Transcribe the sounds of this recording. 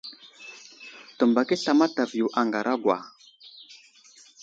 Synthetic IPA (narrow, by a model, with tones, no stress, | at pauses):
tə˨mba˨ki˦ɬa˨ma˦ta˨vi˨ju˨ʔa˨ŋɡa˨ɾʔa˦ɡʷwa̰˨